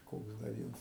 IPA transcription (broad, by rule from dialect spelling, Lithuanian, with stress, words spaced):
ˈkoːks dɐ ˈʋʲiɛns